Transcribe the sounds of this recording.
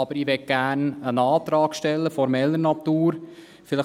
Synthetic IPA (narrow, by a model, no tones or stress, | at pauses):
ɑb̥əɾiːʋɛt̚ɡ̥æːrnənɑːt̪ɾɑːkʃtɛlːəfɔɾmɛlːənɑt̪uːɾ | fɪlɪ